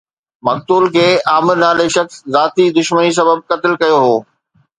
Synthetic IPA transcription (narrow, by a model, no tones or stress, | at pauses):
mɐk̚t̪uːlkʰeːaːmɪɾnaːleʃɐkszaːt̪id̪ʊʃmənis̬ɐbəb̚kɐt̪ɪlkɐjoɦoː